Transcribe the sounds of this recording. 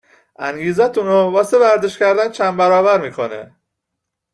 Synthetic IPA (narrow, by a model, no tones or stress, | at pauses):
ʔæŋɟiːzæt̪ʰunobɒːsebæɾd̪eʃcæɾd̪ænt͡ʃʰæmbæɾɒːbæɾmiːkʰo̞nḛ